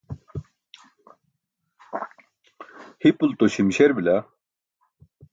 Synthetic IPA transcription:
hipult̪oɕimɕeɾbila

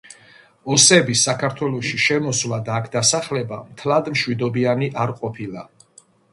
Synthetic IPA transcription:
ɔsɛbisakʰaɾt̪ʰwɛlˠɔʃiʃɛmɔswlad̪aːkʰd̪asaχlɛbamt̪ʰlad̪mʃwid̪ɔbianiʔaɾqʼɔpʰilˠa

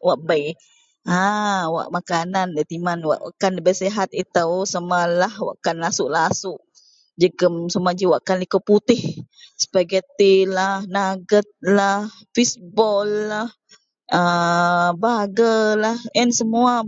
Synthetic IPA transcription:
waʔbaj | awa̰ʔmakanandət̪imanwa̰ʔwa̰ʔkanləbajseɦat̪it̪awsamalahwa̰ʔkanlasʊʔlaasʊʔ | d͡ʒəɡəmsamad͡ʒiwaʔkanlikəput̪ɪh | sə̥baɡət̪ilahnaɡət̪̚lah | fisbɔlːah | ə | baɡəlahənsəmua

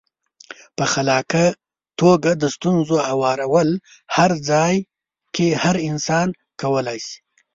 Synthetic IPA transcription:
pəxalɑka | t̪oɡad̪əst̪unzoawɑɾawəl | haɾd͡zɑj | kʰehaɾɪnsɑn | kawəlajsi̥

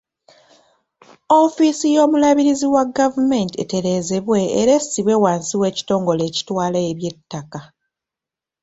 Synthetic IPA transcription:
o̞fisijo̞ːmulaβiɾiziwaɡavume̞ntie̞̰te̞ɾe̞ːze̞βwe̞ːɾe̞siβwe̞waːnsiwe̞ːci̥to̞ːŋɡo̞le̞ːci̥twaːlaeβje̞tːaka

